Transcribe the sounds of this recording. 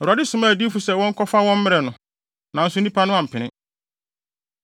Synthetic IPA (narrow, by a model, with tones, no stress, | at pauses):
ɔ˨ɾu˨a˨dɪ˦sʊ˨mã˦˨di˦fu˨sɛ˨wɔ̃˦ŋ̩˦kʰɔ˦fa˦wɔ̃˦m̩˦mɪ˦ɾɛ˨nʊ̃˨ | nã˨n̩˦sʊ˦nĩ˦pʰa˦nʊ̃˦ã˨m̩˨pʰɪ̃˨nɪ̰̃˦